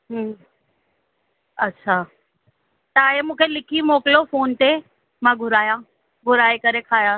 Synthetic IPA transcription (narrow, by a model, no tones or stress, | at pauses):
ɦə̃ː | ɐtːɕʰa | t̪aːɦemũːkʰelɪkʰimoːkɪlofoːnt̪e | mãɡʱʊɾaːjã | ɡʱʊɾaːekɐɾekʰaːjãː